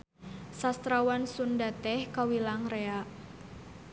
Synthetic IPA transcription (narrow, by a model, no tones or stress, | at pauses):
sast̪ɾawansundat̪ɛhkawilaŋreaʔ